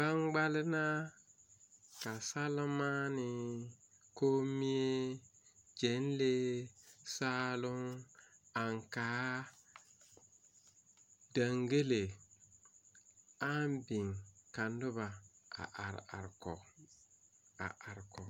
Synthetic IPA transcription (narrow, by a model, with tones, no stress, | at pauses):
ba˦ŋɡ͡ba˦lɪ˦na˦ | ka˨sa˦lma˦nɪ˨ | koː˦mi˦e˦ | d͡ʒe˨˦n˦le˦ | saː˦lʊ˦ŋ | a˨ŋkaː˦ | da˨ŋɡe˦le˨ | a˦mbi˨ŋka˨ndʊ˦ba˨a̰˨ʔa˨ɾa˨ɾkɔ˨ | a̰˨ʔa˨ɾkɔ˨